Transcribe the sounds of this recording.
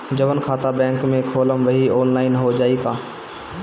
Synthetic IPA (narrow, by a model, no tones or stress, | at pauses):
d͡ʒɐʋənkʰaːt̪abɛ̃ːŋkmẽkʰoːləmʋɐɦioːnlaːɪnɦod͡ʒaːikaː